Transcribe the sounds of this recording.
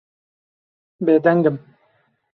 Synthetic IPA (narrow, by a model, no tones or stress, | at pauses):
beːd̪æŋɡəm